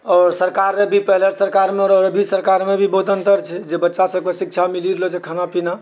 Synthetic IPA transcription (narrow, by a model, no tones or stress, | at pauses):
ɔːɾsəɾkaɾːebʱipəɦleɾsəɾkaɾmeɔɾɔɾəbʱisəɾkaɾmebʱibod̪ʱənt̪əɾt͡ʃʰɛd͡ʒebətːʃasəb̚kesikt͡ʃʰamiliɾelod͡ʒekʰanapina